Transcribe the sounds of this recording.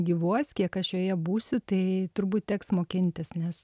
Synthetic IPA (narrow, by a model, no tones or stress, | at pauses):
ɡʲiːʋuɔsʲkʲiɛkɐʃjoːjɛbuːsʲʊt̪ɐɪt̪ʊɾbuːt̪̚t̪ʲɛksmoːkʲɪnʲt̪ʲɪsnʲɛs